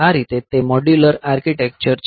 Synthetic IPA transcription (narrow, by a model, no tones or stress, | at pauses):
aɾit̪et̪ːemɔɖjuləɾaɾkiʈek̚t͡ɕəɾt͡ɕ